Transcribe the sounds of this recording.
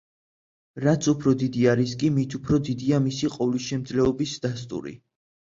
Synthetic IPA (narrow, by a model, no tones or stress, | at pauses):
ɾat̪sʰupʰɾɔd̪id̪iaɾiskʼimit̪ʰupʰɾɔd̪id̪iamisiqʼɔvliʃɛmd̪zlɛɔbisd̪ast̪ʼṵɾḭ